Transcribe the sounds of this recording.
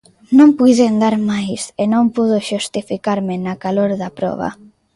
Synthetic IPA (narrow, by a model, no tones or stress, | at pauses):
nõmpujðend̪aɾmajsenõmpuðʊʃust̪ifikaɾmɪnakaloɾðɐpɾɔ̰β̞a̰